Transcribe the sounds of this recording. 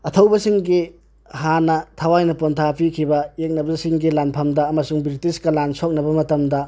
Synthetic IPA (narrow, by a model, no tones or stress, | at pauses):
ɐtʰɐwbɐsiŋɡi | hanɐtʰɐwajnɐpontʰapʰikʰibɐek̚nɐbɐsiŋɡilanpʰɐmdɐːmɐsuŋbɾitiskɐlansok̚nɐbɐmɐtɐmdɐ